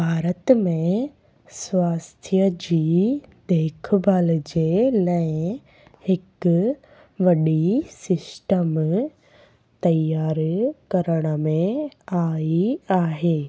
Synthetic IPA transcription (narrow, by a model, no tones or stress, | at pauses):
bʱaːɾət̪mẽ | sʋaːst̪ʰjəd͡ʑiːd̪eːkʰbʱaːld͡ʑelɐɪ̃ | hɪk | ʋɐɗisɪsʈəm | t̪ɐjaːɾkɐɾəɽ̃əmẽaːiaːɦeː